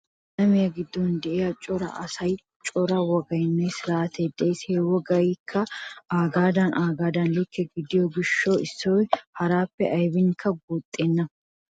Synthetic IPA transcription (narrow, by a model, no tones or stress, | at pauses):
lɐmɪjɐɡɪd̪ːɔnd̪ɛʔejɐt͡ʃʼɔɾɐ̰ʔɐsɐj | t͡ʃʼɔɾɐwɔɡɐjnːɛsɪɾaːt̪eːd̪ɛjshewɔɡɐjkʰːɐaːɡaːd̪ɐnʔaːɡaːd̪ɐnlɪkːɛɡɪd̪ɪjoɡɪʃːoːɪsːojhɐɾaːpːɛʔɐjbɪŋkʰːɐɡuːt̪ʼːeːnːɐ